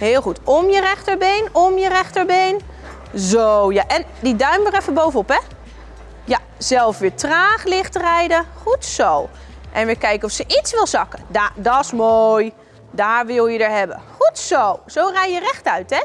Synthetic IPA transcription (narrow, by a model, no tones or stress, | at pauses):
ɦɪːlˠχutɔmjərɛχtəɹbejnɔmjərɛχtəɹbejn | zowjaʔɛndidœɥmərɛfəbowvənɔpɛ | ja | z̥ɛlˠfʋɪːtraːχlɪχtrɛjdəχutsow | ʔɛnʋɪkɛjkənɔfsəʔitsʋɪlˠzɑkədadɑɪsmoj | daːɹʋɪlˠjədəɹɦɛbə̰χutsowz̥owrɛjjərɛχtœɥtɛ